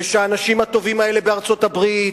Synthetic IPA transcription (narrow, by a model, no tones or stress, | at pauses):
ʃaːnaʃimat̪o̞vimae̞le̞beaʁt͡so̞t̪abʁit